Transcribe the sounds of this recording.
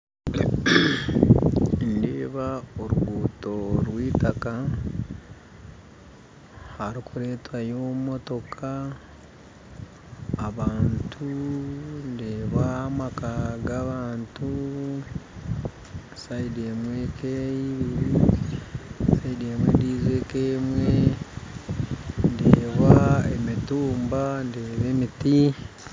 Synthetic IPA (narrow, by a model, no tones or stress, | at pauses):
ndeːβaoɾuɡuːto̞ɾwiːtaka | haɾikuɾe̞ːtwajoːmo̞to̞kʰa | βaːntʰu | ndeβaːmakaɡaβaːntu | saidemwekʰeiβiɾi | saidemwḛndiːze̞keːmwe̞ | ndeβaḛmituːmbandeβe̞miti